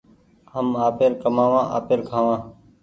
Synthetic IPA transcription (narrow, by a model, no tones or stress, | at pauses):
ɦəmaːpeːɾkəmãːʋãːʔa̰ːpeːɾkʰaːʋãː